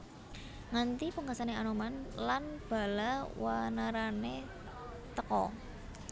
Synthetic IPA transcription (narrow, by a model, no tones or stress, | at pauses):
ŋant̪ipəŋɡasaneanomanlanb̥a̤lawanaɾane | t̪əkɔ̰